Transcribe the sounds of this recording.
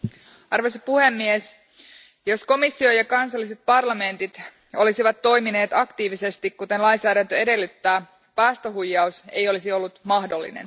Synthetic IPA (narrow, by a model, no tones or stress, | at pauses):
ɑrʋojsipuhe̞mːies | jo̞sko̞misːio̞jɑkɑnsɑlːise̞t̪̚pɑrlɑme̞nt̪it̪ | o̞lisiʋɑt̪ːo̞jmine̞ːt̪ɑkt̪iːʋise̞st̪ikkut̪e̞nlɑjnsæːɾænt̪øe̞de̞lːyt̪ːæː | pæːst̪oɦujːɑuse̞jo̞lisio̞lːut̪mɑhdo̞lːḭnḛn